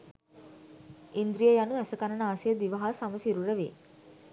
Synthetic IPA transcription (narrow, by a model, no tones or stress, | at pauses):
ind̪ɾijəjanuæsəkanənaːsijəd̪iʋəɦasaməsiɾuɾəʋeː